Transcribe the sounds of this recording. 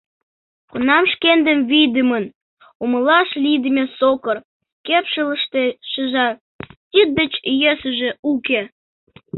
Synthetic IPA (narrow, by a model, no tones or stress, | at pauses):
kunɑmʃkend̪əmβijd̪əmən | uməlɑʃlid̪əmʲesokər | kepʃələʃt̪eʃəʒɑ | t̪ʲid̪̚d̪ət͡ɕjøsəʒe̽uke